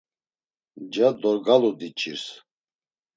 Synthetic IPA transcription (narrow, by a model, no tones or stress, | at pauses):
d͡ʒad̪ɔɾɡalud̪it͡ʃʰʼiɾs